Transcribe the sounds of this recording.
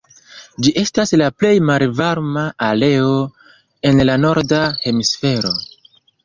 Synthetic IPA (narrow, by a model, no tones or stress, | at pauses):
d͡ʒiʔe̞staslaple̞jmalvaɾmaʔale̞o | e̞nlano̞ɾdahe̞misfe̞ɾo̞